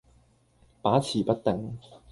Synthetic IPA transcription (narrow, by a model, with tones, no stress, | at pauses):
paː˨˥t͡sʰiː˨˩pɐ˥t̚t̪ɪ˨˩ŋ